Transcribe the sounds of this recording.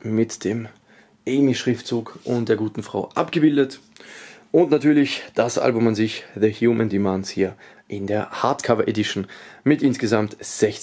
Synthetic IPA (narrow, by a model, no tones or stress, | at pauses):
mɪtd̥eːm | ʔɛɪmiʃʁ̥ɪftt͡suːkʔʊntd̥eːɐɡuːtn̩fʁ̥a̰ʊʔapɡ̥əbɪldət | ʔʊntnatʰyːɐlɪçd̥asʔa̰lbʊmanzɪçðəhjuːmə̃ndimanshiːɐ | ʔɪndeːɐhaɐtkʰavɐʔedɪʃn̩mɪtʔɪnsɡ̥əzamtz̥ɛç